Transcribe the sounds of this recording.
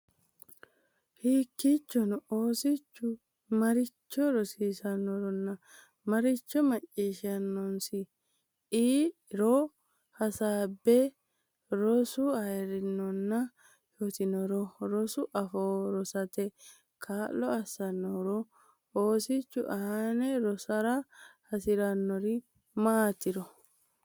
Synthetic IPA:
hiːkːit͡ʃːɔnɔoːsɪt͡ʃːʊ | mɐɾɪt͡ʃːɔɾɔsiːsɐnːɔɾɔnːɐ | mɐɾɪt͡ʃːɔmɐt͡ʃʼːiːʃɐnːɔnsɪ | iːɾɔ | hɐsaːbːɛ | ɾɔsʊɐjɛɾɪnɔnːɐ | jɔt̪ɪnɔɾɔɾɔsʊʔɐfoːɾɔsɐt̪ɛ | kʰaːlːɔɐsɐnːɔɾɔ | oːsɪt͡ʃːʊ̰ʔɐhanɛɾɔsɐɾahɐsɪɾɐnːɔɾɪ | maːt̪ɪɾɔ

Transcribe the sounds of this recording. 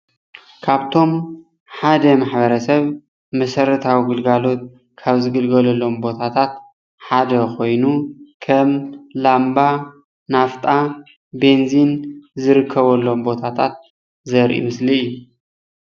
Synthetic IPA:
kʰaβt̪ʰo̞m | ħad̪ɐmaħbɐɾɐsɐβ | mɐsɐɾɐt̪ʰawiɡɨlɡalo̞t̪̚ | kʰaβzɨɡɨlɡɐlɐlːo̞mbo̞t̪ʰat̪ʰat̪̚ | ħad̪ɐkʰo̞jnukʰɐmlamba | naft̪ʼa | be̞nzinzɨɾɨkʰːɐβɐlːo̞mbo̞t̪ʰat̪ʰa̰t̪̚ | zɐɾʔḭɨsliju

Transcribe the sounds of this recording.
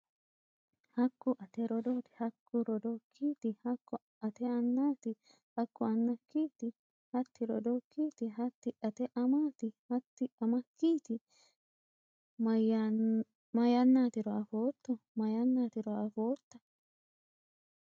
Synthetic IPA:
hɐkːʊʔɐt̪ɛɾɔd̪oːt̪ɪ̥hɐkʰːʊɾɔd̪okʰːiːt̪ɪhɐkːɔ | ɐt̪ɛɐnːaːt̪ɪ | hɐkːʊɐnːɐkːiːt̪ɪ | hɐt̪ːɪɾɔ̰d̪okʰːiːt̪ɪɦɐt̪ːɪʔɐt̪ɛʔɐmaːt̪ɪhɐt̪ːɪɐmɐkːiːt̪ɪ | mɐjanːaːt̪ɪɾɔafoːt̪ːɔmɐjɐnːaːt̪ɪɾɔɐfoːt̪ːɐ̥

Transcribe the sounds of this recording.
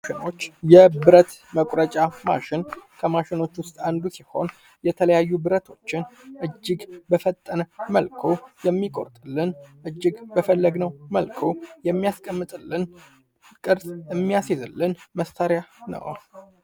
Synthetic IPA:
ʃɪno̞t͡ʃːjɛbɨɾət̪məkʼɾət͡ʃʼama̰ʃɪnkʰəmaʃɪno̞t͡ʃːwʊst̪ʼand̪usiho̞̰n | jɛt̪ʰələjajːubɨɾət̪ʰo̞t͡ʃːɪnʔɨd͡ʒːɪɡbəfət̪ʼːənməlkʰojɛmːikʼo̞̰ɾt̪ʼɨlːɨnʔɨd͡ʒːɪɡbəfəlːəɡnəwməlkʰojɛmːijaskʼəmːɨt̪ʼɨlːɨn | kʼɨɾsʼɨmːijasezɨlːɨnməst̪ʰəɾjanə̰w

